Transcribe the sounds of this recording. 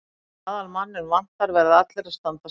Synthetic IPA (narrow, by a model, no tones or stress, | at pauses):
aːðalmanːʏmvan̥t̪aɾvɛɾðɪat̪lɪɾast̪ant̪a